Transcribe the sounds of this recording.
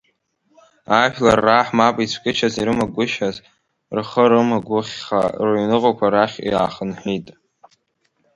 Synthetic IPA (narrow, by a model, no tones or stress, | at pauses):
aʃᶣlarːaħmapʼit͡sʷʰkʲʼɪt͡ʃʰaziɾɨmaɡʷʊʃaz | rχəɾɨmaɡʷʊχʲχa̰rɥnɨqʼakʷʰaɾaχʲḭaːχənħʷitʼ